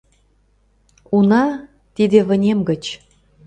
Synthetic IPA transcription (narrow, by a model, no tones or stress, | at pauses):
unɑ | t̪id̪ĕβə̆nʲemɡə̆t͡ɕ